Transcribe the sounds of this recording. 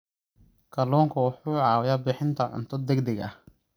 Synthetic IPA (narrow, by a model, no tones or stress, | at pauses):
kʰɐlɔːŋkʰɐwɑħuːʕɑːwɪjaːbɪħɪnt̪ʰɐʕʊ̰nt̪ʰɔd̪ɛɡd̪ɛɡɐ̰h